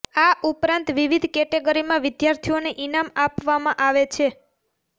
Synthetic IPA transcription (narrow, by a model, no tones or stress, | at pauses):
aʔupɾãnt̪ʋiʋid̪ʱkɛʈeɡəɾimãʋɪd̪jaɾt̪ʰioneʔinamapʋamãʔaʋet͡ʃʰe